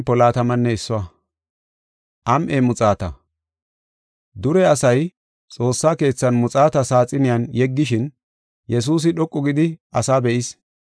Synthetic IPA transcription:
pɔlaːt̪ɐmɐnːɛɪsːɔwɐ | ʔɐmʔeːmʊt͡sʼaːt̪ɐ̰ | d̪ʊɾɛɐsɐj | t͡sʼo̞ːsːaːke̞ːt͡sːɐnmʊt͡sʼaːt̪ɐsaːt͡sʼɪnɪjanjɛɡːɪʃɪn | jɛs̬uːs̬ɪɗɔkʼːɔɡɪd̪ɪɐsaːbɛʔɪs

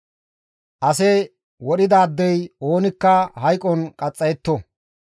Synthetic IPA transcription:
ʔɐsɛ | wɔɗɪd̪aːd̪ːɛjo̞ːnɪkːɐhɐjkʼɔnkʼɐt͡sʼːɐjɛt̪ːɔ

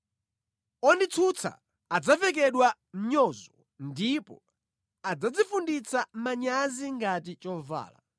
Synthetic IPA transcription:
ɔndit͡sʰut͡sʰa̰ | ad͡zavɛk̬ɛɗwa | m̩ɲɔzɔ | ndipɔ̰ | ad͡zad͡zifundit͡samaɲaziŋɡatit͡ʃɔva̰ːla̰

